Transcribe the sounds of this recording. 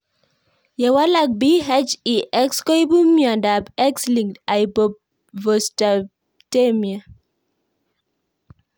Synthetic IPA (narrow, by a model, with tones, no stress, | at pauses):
jɛ˨wa˦la˦k̚bi˦ɦɛ˦d͡ʒi˨ʔɛ˦kskɔ˦i˦bu˦mjɔ˨nda˨bɛ˦ksli˨ŋda˨i˨bo˨p̚ | vo˨sta˨ | te˦mia˨